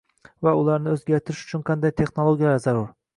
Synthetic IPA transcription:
vaʊlˠaɾnɪɵzɡʲaɾt̪ʰɪɾɪʃʊ̥t͡ʃʰʊnqʰɑnd̪ajt̪ʰe̞χnolˠoɡʲijalaɾzaɾʊɾ

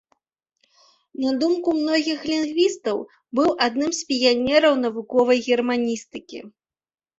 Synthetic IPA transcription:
nad̪umkumnɔɣʲixlʲinɡvʲist̪ɐw | bɨwʔad̪nɨmspʲijanʲɛɾɐwnɐvukɔvɐjɣʲɛrmanʲist̪ɨkʲḭ

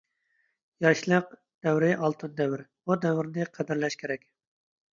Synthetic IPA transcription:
jɑʃlˠəq̚ | d̪̥ɛwɾɪʔɑlˠt̪ʰɨnd̪ɛwɪɾbud̪ɛwɪɾnɪqʰæd̪ɪɾlɛʃkʲʰeɾɛkʲ

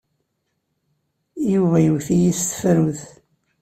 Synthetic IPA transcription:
juvæjwθijist̪fɾuθ

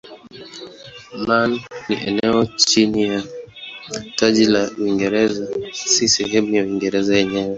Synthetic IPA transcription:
manːiʔɛnɛɔt͡ʃinija | tad͡ʒilawiŋɡɛɾɛzasisɛɦemiawiŋɡɛɾɛzaɛɲɛwɛ

